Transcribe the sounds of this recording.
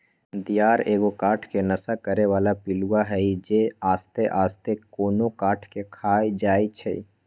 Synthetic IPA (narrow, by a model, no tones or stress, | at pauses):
d̪ijaːɾeːɡokaːʈʰkenɐsakəɾeʋaːlapɪluaɦɛid͡ʒeaːst̪eʔaːst̪ekoːnokaːʈʰkekʰaːjd͡ʒaːit͡ʃʰɛ̰ḭ